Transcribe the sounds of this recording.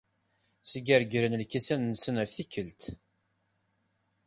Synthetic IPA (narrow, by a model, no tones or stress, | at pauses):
səɡæɾɡɾənlkːisænːəsənəɾθikːəlt̪